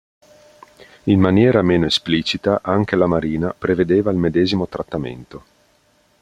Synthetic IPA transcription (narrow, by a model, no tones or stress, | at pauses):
inmanjɛːɾameːnoespliːt͡ʃit̪aʔaŋk̟elamaɾiːnapɾeved̪eːvailmed̪ɛːzimot̪ɾat̪ːamḛnt̪o